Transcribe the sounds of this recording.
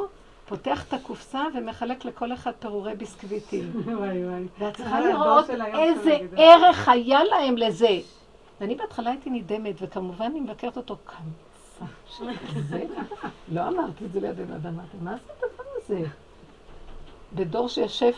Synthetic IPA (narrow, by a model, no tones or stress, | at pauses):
po̞teaχe̥t̪akufsaveme̞χale̞kleko̞le̞χad̪̚peʁuʁejbiskvitim | veatt͡sliχaliʁotezeeʁe̞χhajalae̞mle̞ze̞ | veanibeatχalaijt̪inide̞me̞tvekamuvananimevake̞ʁet̪o̞t̪o̞kʰan | saʃezelo̞amaʁt̪izeleja̰dena̰damat̪imazet̪azmamaze | bedo̞ʁʃejaʃev